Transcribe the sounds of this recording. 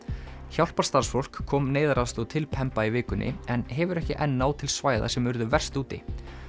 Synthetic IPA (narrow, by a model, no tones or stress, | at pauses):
çawl̥paɾ̥st̪aɾ̥sfowl̥kʰːɔːmneːjðaɾast̪ɔt̪ʰɪlpʰɛmpaivɪːkʏnʔɪ̰ɛnɦɛvʏɾɛhcɪʔɛnːaːwt̪ʰɪlsvaːjða̰sɛmʏɾðʏvɛr̥st̪uːt̪ɪ̰